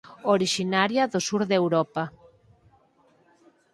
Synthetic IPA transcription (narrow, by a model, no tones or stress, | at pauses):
oɾiʃinaɾjaðosuɾðewɾɔpa